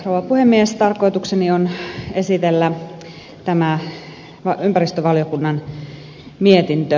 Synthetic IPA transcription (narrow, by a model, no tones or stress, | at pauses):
rowˑɑpuhemːiest̪ɑrkoit̪uksenionesit̪elːæ | t̪æmæ | ʋɑympærist̪øʋɑljokunːɑn | miet̪int̪ø